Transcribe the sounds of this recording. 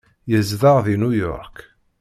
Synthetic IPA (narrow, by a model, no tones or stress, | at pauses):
jəzðəʁðinujɔ̰ɾk